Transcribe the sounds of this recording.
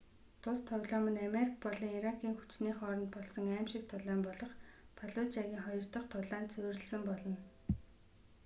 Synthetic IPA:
t̪ʰʊst̪ʰɔwɮɔːmə̆nameɾikpɔɮiːŋiɾakʰiːŋxut͡ɕniːχɔːɾɞ̆nt̪̚pɔɮsɞ̆ŋæːmʃɪ̆k̚t̪ʰʊɮaːmpɔɮɞ̆χpʰaɮʊt̪t͡ɕaɣʲiːŋχɔjɞ̆rt̪ɞ̆χt̪ʰʊɮaːnt̪t͡sʰʊːrɘ̆ɮsə̆mpɔɮɞ̆n

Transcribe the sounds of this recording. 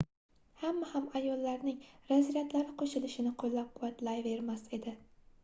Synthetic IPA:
hamːahamajɒlːaɾnɪŋɾazɾat̪laɾɪqʰoʃɪlɪʃɪnɪqʰolːap̚qʰʊvat̪lajveɾmase̞d̪ɪ

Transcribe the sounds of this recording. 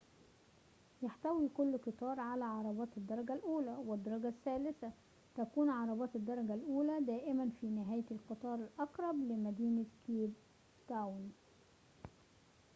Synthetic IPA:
jaħt̪æwiːkʊlːqɨt̪ˤɑːɾˤʕalæːʕɑɾˤɑbɑːt̪ɪd̪ːɑɾˤɑɡælʔuːlæwɪd̪ːɑɾˤɑɡæsːæːlɪsæ | t̪ækuːnʕɑɾˤɑbɑːt̪ɪd̪ːɑɾˤɑɡælʔuːlæd̪æːʔɪmænfiːnɪɦæːjlqɨt̪ˤɑːɾˤɪlʔɑqɾˤɑblɪmæd̪iːnɪt̪kiːb | t̪awn

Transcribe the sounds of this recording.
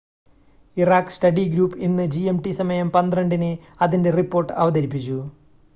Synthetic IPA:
iraːkːsʈɐɖiɡɾuːpːinːɨd͡ʑiemʈisɐmɐjɐmpɐnd̪rɐɳɖinɨ | ɐðinde̞ripːoːrʈːɨɐʋɐd̪ɐɾip̬ːit͡ɕːu

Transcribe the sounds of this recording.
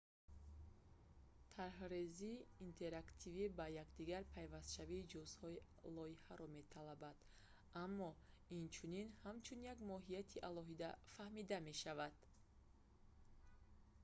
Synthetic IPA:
t̪ʰaɾɦɾeziːnt̪ʰe̞ɾakt̪ʰivibajakd̪iɡaɾpʰajvast̪ʃaviːd͡ʒɔshɔi | lɔihaɾɔme̞t̪ʰalabad̪̥ | amːɔ | int͡ʃʰuninhamt͡ʃʰunjaɡmɔɦijat̪ʰiʔalɔɦid̪afahmid̪ame̞ʃavad̪̥

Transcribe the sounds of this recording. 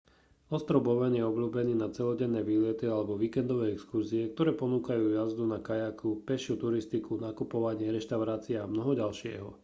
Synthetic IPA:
ɔst̪ɾɔbɔʋɛnjɛɔbʎuːbɛniːnat͡sɛlɔɟɛnːɛːʋiːlɛt̪ialɛbɔʋiːkɛnd̪ɔʋɛːɛkskuɾziɛk̚t̪ɔɾɛːpɔnuːkajuːjazd̪unakajakʰupɛʃɪuːt̪uɾist̪ikʰunakupɔʋaɲɪɛɾɛʃt̪aʊɾaːt͡siɛamnɔɦɔɟalʃɪɛ̰ɦɔ̰

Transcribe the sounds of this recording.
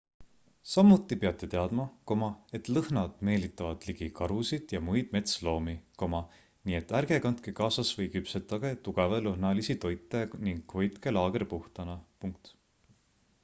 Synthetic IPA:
sɑmːut̪ːˑipeɑt̪ːˑe̞t̪e̞ɑd̪mɑko̞mɑe̞t̪ˑlɤhnɑd̪̥me̞ːlit̪ːˑɑvɑd̪̥liɡ̥ikɑɾusid̪̥jɑmujd̪̥me̞t̪slo̞ːmiko̞mɑ | niːet̪ːˑærɡ̥e̞kɑnt̪kekɑːsɑsvɤjkypset̪ːˑɑɡet̪uɡ̥ɑvelɤɦnɑlisit̪o̞jt̪ˑːeniŋkvɤjt̪kelɑːɡ̥eɾpuht̪ɑnɑpuŋk̚t̪

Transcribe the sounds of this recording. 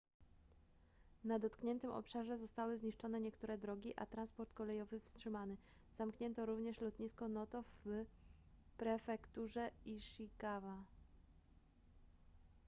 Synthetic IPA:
nad̪ɔt̪kɲɛnt̪ɘmʔɔ̰pʂaʐɛzɔst̪awɘzɲiʂt͡ʂɔnɛɲɛkt̪uɾɛd̪ɾɔɡʲiʔa̰t̪ɾanspɔɾt̪kɔlɛjɔvɘfstʂɘmanɛ | z̥amkɲɛnt̪ɔɾuvɲɛʂlɔt̪ɲiskɔnɔt̪ɔf | pɾɛfɛkt̪uʐɛiʂikava

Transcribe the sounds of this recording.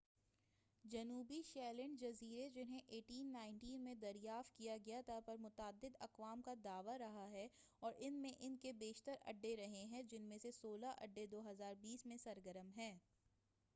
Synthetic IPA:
d͡ʒɐnuːbiʃɛːlɛ̃ɳɖd͡ʒɐziːɾed͡ʒɪnɦẽʔeːʈiːnːãːɪ̃ɳʈiːnmẽd̪ɐɾjaːft̪̚kijaɡɐjat̪ʰapɐɾmʊt̪aːd̪ːɪd̪ɐqʋaːmkad̪aːʋaɾɐɦaɦɛ | ɔːɾʔɪnmẽʔɪnkebeːʃt̪əɾɐ̰ɖːeɾɐɦẽɦɛ̃d͡ʒɪnmẽsesoːlaʔɐ̰ɖːed̪oːɦɐzaːɾbiːsmẽsɐɾɡəɾəmɦɛ̃ː

